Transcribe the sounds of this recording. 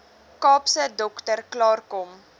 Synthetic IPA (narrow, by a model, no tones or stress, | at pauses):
kɑːpsədɔktərklɑːrkɔm